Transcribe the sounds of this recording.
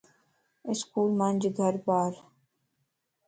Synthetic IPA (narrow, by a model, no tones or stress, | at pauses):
ɪskuːlmand͡ʒɡʱɐɾbaːɾ